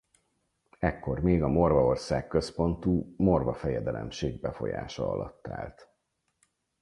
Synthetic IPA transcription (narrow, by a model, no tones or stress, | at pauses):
ɛkːo̞rmeːɡɒmo̞rvɒo̞rsaːkːø̞spo̞nt̪uːmo̞rvɒfɛjɛd̪ɛlɛmʃeːɡ̚bɛfo̞̰ja̰ːʃɒɒ̰lɒt̪ːaːlt̪